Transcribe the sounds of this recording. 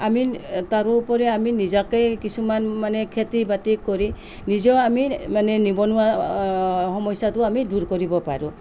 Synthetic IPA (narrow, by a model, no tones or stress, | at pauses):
amitaɾuːpɔɾɛaminizakejkisumanmanɛkʰetibatikɔɾi | nizɔamimanɛnibɔnuwa | hɔmɔjsatuamiduɾkɔɾibɔpa̰ɹu